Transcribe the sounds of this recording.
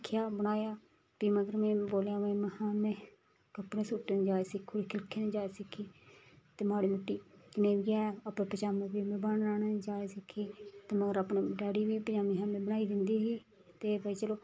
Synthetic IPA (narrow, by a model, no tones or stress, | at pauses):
kʰːjaːbəñaːjaː | piːməɡəɾmɛ̃ːboːljãːʋẽmɛ̃hãːmẽː | kəpnẽːsuːʈːeːnd͡ʒaːeːsɪkʰuːɽikʰɪlkʰeːnẽːd͡ʒaːesɪkʰːiːt̪eːmaːɽiːmʊʈːiːknẽːbiːaːəpẽːpət͡ʃaːməbiːmẽːbəɳɾaːned͡ʒaːeːsɪkʰːiːt̪eːməɡəɾaːpnẽːɖaːɽiːʋiːpd͡ʒaːmiːɦãːmẽːbənaːiːd̪ɪnd̪iːɦiː | t̪eːbaːiːt͡ʃəloː